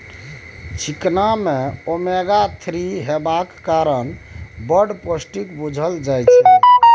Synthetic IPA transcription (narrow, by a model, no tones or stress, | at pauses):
t͡ʃʰiknamẽomeɡat̪ʰɾiɦebakːaɾənbəɾɖpəsʈikbud͡ʒʱəld͡ʒajt͡ʃʰɛ